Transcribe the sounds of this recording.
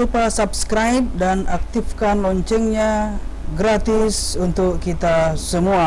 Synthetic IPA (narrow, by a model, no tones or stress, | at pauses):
upasapskɾajp̚danʔak̚t̪ifkanlɔɲt͡ʃɛŋɲaɡɾat̪ɪsunt̪ʊkːit̪asəmua